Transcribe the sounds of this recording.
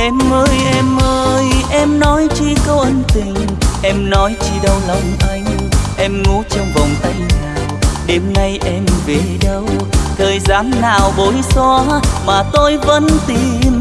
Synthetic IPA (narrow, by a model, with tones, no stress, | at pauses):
ʔɛ˧˥mʔəː˧jʔɛ˧mʔəː˧jʔɛ˧mnɔ˨˦jt͡ɕi˧kə˧wʔə˧ŋnt̪ï˨˩ŋ̟ | ʔɛ˧mnɔ˨˦jt͡ɕi˧ɗə˧wlɔ˨˩wŋ͡mʔa˨˦jŋ̟ | ʔɛ˧mŋu˨˦t͡ɕɔ˧wŋ͡mvɔ˨˩wŋ͡mt̪a˧jŋnaː˨˩wwɗe˨˦mna˧jʔɛ˧mve˨˩ɗə˧wt̪ʰəː˨˩jzaː˨˦mnaː˨˩wɓo˨˦jsɔ˧maː˨˩t̪o˧jvə̰˧˥nt̪i˧˩m